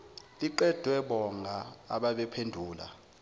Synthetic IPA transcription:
lʼiǃɛd̥ʱwɛɓɔŋa̰ːɓaɓɛpʰendʱuːla̰

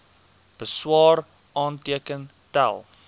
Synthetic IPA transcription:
b̥əswɑːr | ɑːntiəkən | tæ̰lˠ

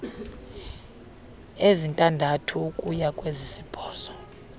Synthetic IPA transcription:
ezintʼandʱatʰukʼujakʼwezisib̥ʱɔːsɔ̥

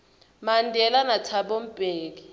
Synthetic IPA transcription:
mandʱɛlanatʰaɓom̩b̥ʱʼeːki

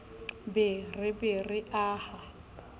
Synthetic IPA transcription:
bɪrɪbɪrɪʔaːha

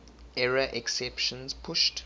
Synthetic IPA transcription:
ɛɹaʔɛksɛpʃɔ̃nspʰʊʃt

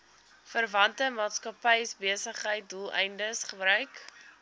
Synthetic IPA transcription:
fərvɐntəmɑːtskɐpɛjsbiəsəχɦəjt̚dulˠɛ̰jndəsχəbɾœɥk

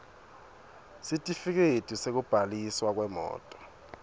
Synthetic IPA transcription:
sitʼifik̬edtʼusek̬ub̥ʱaliswak̬wɛmɔ̰ːtʼɔ̥

